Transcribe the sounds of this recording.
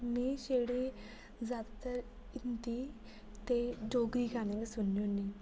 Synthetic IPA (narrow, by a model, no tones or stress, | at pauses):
miɕeɽe | d͡zad̪t̪əɾ | int̪i | t̪eɖoɡɾikaneɡesunjonːi